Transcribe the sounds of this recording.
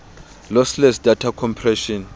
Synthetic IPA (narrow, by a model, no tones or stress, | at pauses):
lɔslɛsdatʰakʰɔmpʰrɛʃɔn